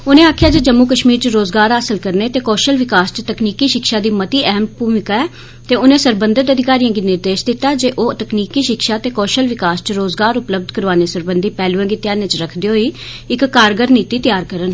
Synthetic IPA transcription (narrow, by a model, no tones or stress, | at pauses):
ʊnẽːaːkʰɪjaːd͡ʒeːd͡ʒəmːuːkəʃmiːɾt͡ʃəɾoːzɡaːɾaːsəlkəɾneːt̪eːkɔːʃəlʋɪkaːst͡ʃt̪əkniːkiːʃɪkʃaːd̪iːmət̪iːʔɛɦəmpuːʋɪkaɛː | t̪eːʊnẽːsəɾbənd̪ət̪əd̪ʱɪkaːɾijãːɡiːnɪɾd̪eːʃd̪ɪt̪ːaːd͡ʒeːʔoːt̪əkniːkiːʃɪkʃaːt̪eːkɔːʃəlʋɪkaːst͡ʃɾoːzɡaːɾʊpləb̚d̪ʱkəɾʋaːneːsəɾbənd̪iːpɛːlũãːɡiːt̪ɪjaːnẽːt͡ʃɾəkʰd̪eːɦoːiː | ɪkːaːɾɡəɾniːt̪iːt̪ɪjaːɾkəɾən